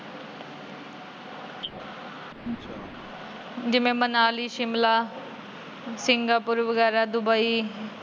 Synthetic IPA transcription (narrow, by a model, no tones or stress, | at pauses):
d͡ʒɪmẽmɐnaːliʃɪmla | sɪŋɡapʊɾʋəɡɛːɾad̪ʊbai